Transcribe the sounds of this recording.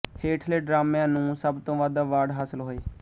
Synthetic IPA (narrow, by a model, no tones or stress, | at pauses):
heːʈʰleːɖɾaːmeãːnũːsəbt̪õːʋaːd̪aːʋaːɖɦaːsəlɦoːeː